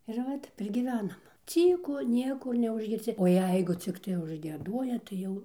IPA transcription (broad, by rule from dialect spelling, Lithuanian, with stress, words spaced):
ɪr ˈʋɐt ˈtʲɛp ɪr ɡʲiːˈʋʲæːnɐm ˈt͡sʲiːkʊ ˈnʲiɛkʊr nʲɛʊʒʲɡʲɪrʲˈsʲɪ oː ˈjɛɪɡʊ ˈt͡sʲɪktɐɪ ʊʒʲɡʲiɛˈduɔjɛ tɐɪ ˈjɛʊ